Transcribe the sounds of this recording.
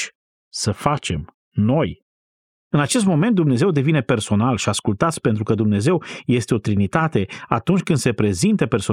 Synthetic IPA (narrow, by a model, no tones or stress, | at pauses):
səfat͡ʃe̞m | no̞j | ɨnat͡ʃe̞s̬t̪mo̞me̞nt̪̚d̪umne̞ze̞wd̪e̞vine̞pe̞rso̞nalʃiaskult̪at̪sʲpe̞nt̪ɾukəd̪umne̞ze̞wje̞st̪e̞o̞t̪ɾinit̪at̪e̞at̪unt͡ʃʲkɨnd̪se̞pɾe̞zint̪əpe̞rso